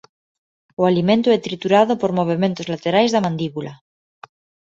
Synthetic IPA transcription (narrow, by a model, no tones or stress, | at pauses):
oalimẽnt̪oɛt̪ɾit̪uɾaðopoɾmo̞β̞ement̪ozlat̪eɾajzðamãnd̪iβula